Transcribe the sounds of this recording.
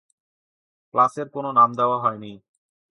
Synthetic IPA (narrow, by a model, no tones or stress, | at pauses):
klaseɾkononamd̪eoaɦɔeni